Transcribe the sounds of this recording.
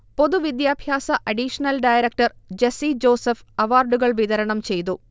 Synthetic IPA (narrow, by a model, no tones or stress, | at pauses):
po̞ðuʋid̪jaːbʱjaːsɐʔɐɖiʂɐnɐlɖɐːjɐɾɐk̚ʈɐrd͡ʑesid͡ʑo̞ːsɐfɐʋaːrɖuɣɐɭʋiðɐɾɐɳɐmt͡ɕe̞jt̪̬u